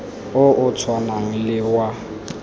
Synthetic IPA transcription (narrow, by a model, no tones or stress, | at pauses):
ʊʔʊt͡sʰwanaŋ̩lɪwa